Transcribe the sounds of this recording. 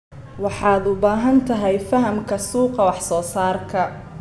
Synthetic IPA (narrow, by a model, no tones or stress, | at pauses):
wɑħɑːd̪ʊbaːɦɐnt̪ʰɐɦɛjfɐɦɐmkʰɐsuːqɑwɑħsɔːsaːrkʰɐ